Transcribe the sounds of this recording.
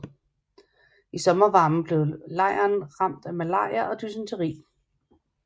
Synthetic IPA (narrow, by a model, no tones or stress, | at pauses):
isɒ̽mɐʋɑ̈ːmn̩b̥le̝ʊlɑ̈ɪ̰ɐnʁɑ̈m̰d̥æmælɑ̰̈ɐʔɒ̽d̥ysənt͡sʰəʁḭː